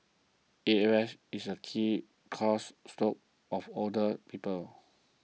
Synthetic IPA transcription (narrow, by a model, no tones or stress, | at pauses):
eɛɛsisəkʰi | kʰɔsːtok̚ | ɔfɔdəpipəl